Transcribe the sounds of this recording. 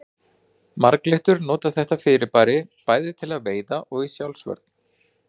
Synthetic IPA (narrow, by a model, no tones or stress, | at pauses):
maɾkleht̪ʏɾnɔːt̪aθɛht̪afɪːɾɪpaːɾɪpaːjðɪt̪ʰɪlaðveːjðaʔɔɣisjawlsvœ̰ɾt̪̚n